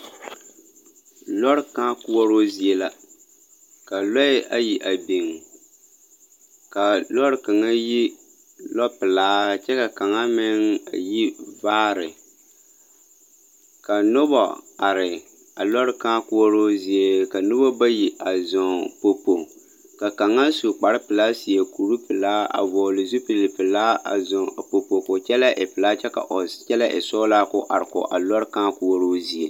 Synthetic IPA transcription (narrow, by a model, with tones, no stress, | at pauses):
lɔ˦ɾkaː˦ku˦ɔ˦ɾo˦zi˦e˦la˦ | ka˨lɔ˦ɪ˦ʔa˦ji˨ʔa˨bi˨ŋ˨ | ka˨lɔ˦ɾka˨ŋa˦ji˦ | lɔ˦pɨ˨laː˨˦˨t͡ʃɛ˦ka˨ka˨ŋa˦mɪ˦ŋa̰˨ji˦vaː˦ɾɪ˨ | ka˨nʊ˦bɔ̰˨a˨ɾɪ˨ | a˨lɔ˦ɾka˦ku˦wo˦ɾo˦zi˦e˦ka˨nʊ˦bɔ˦ba˦ji˨ʔa˨zɔ˨ŋpo˨pːo˨ | ka˨ka˨ŋa˦su˨k͡pa˨ɾɪ˦pɨ˨la˦si˨je˨ku˨ɾu˦pɨ˨laː˦a̰˨vɔː˨lɨ˨zu˦pi˨lɪ˨pɨ˨laː˦a̰˨zɔ˨po˨po˨ko˨t͡ʃɛ˦la˦ʔɪ˨pɨ˨la˦t͡ʃɛ˦ka̰˨ʔo˨t͡ʃɛ˦la˦ʔɪ˨sɔː˦la˦kʊ˦ʔa˨ɾɪ˨kʊ̰˨ʔa˨lɔ˦ɾkã˦ku˦wo˦ɾo˦zi˦e˨